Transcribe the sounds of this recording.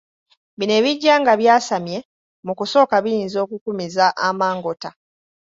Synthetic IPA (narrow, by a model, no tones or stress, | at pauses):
βine̞ːβiɟːaːŋɡaβjaːsamje̞ | mukuso̞ːkaβijiːnzo̞ːkukumizaʔamaːŋɡo̞ta